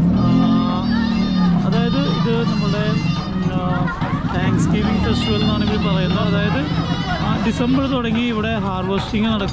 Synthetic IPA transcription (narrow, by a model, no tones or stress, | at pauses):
ɐðaːjɐðɨiðɨnɐmːɐɭuɽe̞ | t̪aːŋkskiʋiŋfestuenːuaːɳiʋɐɾupɐrɐjunːɐɐðaːjɐðɨ | ɖisɐmbɐrt̪oɽɐŋːiːʋiɽe̞ɦaːrʋɐsʈiŋɡɨnɐɽɐkː